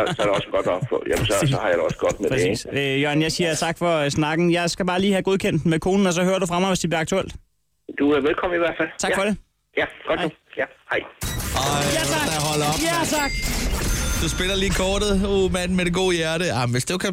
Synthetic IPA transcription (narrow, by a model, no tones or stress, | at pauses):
sɒɾeɒsɡ̥ɒd̥ɒb̥fɔ̰jæmsɒsɒhɑ̈jadɾeɒsəɡ̥ɒd̥medʰʁɛ̥esḭːsøjonjɑ̈ɪsiːɐt͡sʰɑ̈ɡ̥fɒ̽snɑ̈ɡ̥n̩jɑ̈ɪsɡ̥æb̥ɑ̈ːliːhæɡ̥o̝ð̞ˠkʰen̰d̥mekʰo̝ːnn̩ɒ̽s̬ɒ̽høːɐɾufʁɑ̈mɑɪʋesd̥eb̥liɐɑ̈ɡ̚t͡sʰuel̰d̥ | d̥uʋelkʰɒm̰̩iʋæɐ̰̥fæl̰t͡sʰɑ̈ɡfɒ̽de̝ | jæɡ̥ɒd̥jæhɑɪ | d̥ɑɦɒl̰ɒ̽bæɑɡ̥ | d̥usb̥e̝lɐliːkʰɒːɾ̥ð̩ˠomæn̰med̥eɡ̥o̝̰ːjæɐɾəɑ̈ɪmʋe̝sd̥ekʰæ